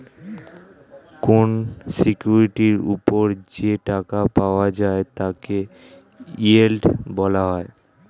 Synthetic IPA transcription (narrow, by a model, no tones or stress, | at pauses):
konsikjuɾiʈiɾṵpoɾd͡ʑeʈakapaoad͡ʑaet̪ake | ielʈbɔlaɦɔe